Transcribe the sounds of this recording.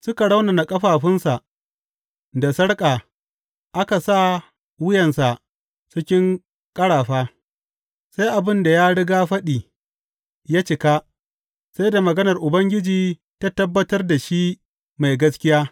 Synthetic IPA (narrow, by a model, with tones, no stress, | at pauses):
sʊ˦ka˨ɽa˦wna˨na˨kʼɐ˦ɸaː˨ɸɪ˦nsa˨ʔ | da˨sɐ˦ɽkʼaː˨ | ʔa˦ka˨sa˦ | wɪ˦jɐ˨nsa˨ʔ | t͡ʃɪ˦kʲɪ˦ŋ | kʼɐ˦ɽaː˨ɸaː˦ | sa˦jʔa˨bɪ˦nda˨jaː˦ɽɪ˦ɡaː˦ɸɐ˦ɗiː˨ | jaː˦t͡ʃɪ˨ka˦ | sa˦jda˨mɐ˨ɡɐ˦nɐ˨rʔʊ˨bɐ˦ŋɡʲɪ˦d͡ʒiː˨ | ta˦tɐ˦bːɐ˦tɐ˦rda˨ʃi˦ | ma˨jɡɐ˦skʲɪ˦jaː˦